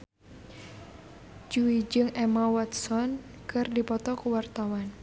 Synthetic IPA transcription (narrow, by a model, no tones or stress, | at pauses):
d͡ʒuid͡ʒɨŋɛmawat̪sɔn | kɨrdipɔt̪ɔkuwart̪awan